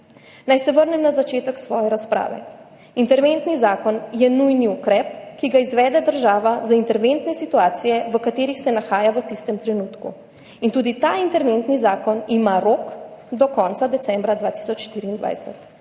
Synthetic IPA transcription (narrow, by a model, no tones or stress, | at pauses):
najsɛʋəɾnɛmnazat͡ʃeːt̪əksʋɔːjɛɾaspɾa̰ːʋɛ̰ | int̪ɛɾʋent̪nizaːkɔnjɛnujniukɾɛp̚kiɡaizʋɛːd̪ɛd̪əɾʒaːʋazaint̪ɛɾʋent̪nɛsit̪uaːt̪sijɛʋəkat̪eːɾixsɛnaxaːjaʋət̪ist̪ɛmt̪ɾɛnuːt̪kṵ | int̪uːd̪it̪aint̪ɛɾʋent̪nizaːkɔnimaɾoːkd̪ɔkɔnt̪sad̪ɛt̪sɛmbɾad̪ʋat̪i̥sɔt͡ʃʃt̪iːɾiːnd̪ʋa̰jsɛ̰t̪